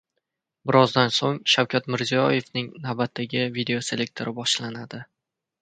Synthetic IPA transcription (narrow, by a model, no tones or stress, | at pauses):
bɪɾɒzd̪ansoŋʃawkʲat̪mɪɾzijɒje̞fnɪŋnawbat̪ʰːaɡʲɪvid̪e̞ose̞lʲek̚ʲt̪ʰo̞ɾʔɪbɒʃlanad̪ɪ